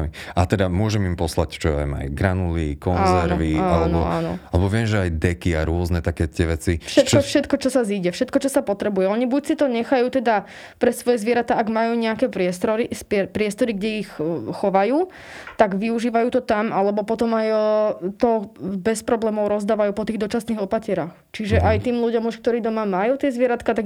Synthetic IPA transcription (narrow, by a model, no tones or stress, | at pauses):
amiat̪ɛd̪amʊɔʒɛmimpɔsla̰ct͡ʃɔɛ̰ma̰jɡɾanulikɔnazɛɾʋiaalɛnɔ̰a̰ːnɔ̰alɛbɔʋɪɛmʒɛajd̪ɛkia̰ɾʊɔznɛt̪akɛt̪ɪɛʋɛt͡sifʃɛt̪kɔfʃɛt̪kɔt͡ʃɔsaziːɟɛfʃɛt̪kɔt͡ʃɔsapɔt̪ɾɛbujɛɔɲibucsit̪ɔɲɛxajuːt̪ɛd̪a | pɾɛsʋɔjɛzʋɪɛɾat̪aaɡmajuːɲɛakɛpɾɪɛst̪ɾɔɾispɛpɾɪɛst̪ɔɾiɡɟɛixxɔʋajuː | t̪aɡʋiuʒiːʋajuːt̪ɔt̪amalɛbɔpɔt̪ɔmajt̪ɔbɛspɾɔblɛːmɔʊɾɔzd̪aːʋajuːpɔt̪iːɣd̪ɔt͡ʃasniːɣɔpacɪɛɾaxt͡ʃiʒɛʔajt̪iːmluɟɔmuʃkt̪ɔɾiːd̪ɔmamajuːt̪ɪɛzʋɪɛɾat̪kat̪aɡ